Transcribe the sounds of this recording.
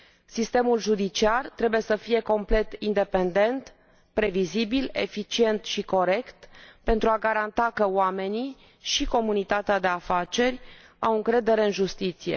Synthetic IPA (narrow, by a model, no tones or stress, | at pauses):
sist̪e̞mulʒud̪it͡ʃiart̪ɾe̞buje̞səfije̞ko̞mple̞t̪ind̪e̞pe̞nd̪e̞nt̪ | pɾe̞vizibile̞̰fit͡ʃie̞nt̪ʃiko̞ɾe̞kt̪pe̞nt̪ɾuaɡaɾant̪akəoame̞ni | ʃiko̞munit̪at̪ead̪e̞afat͡ʃe̞rʲ | awɨŋkɾe̞d̪e̞ɾe̞ɨnʒust̪it̪sije̞̰